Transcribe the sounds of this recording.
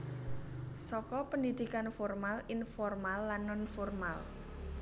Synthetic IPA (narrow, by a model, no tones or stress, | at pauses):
sɔkɔpəndid̪̥ikanfɔrmalinfɔrmalːanːɔnfɔrmal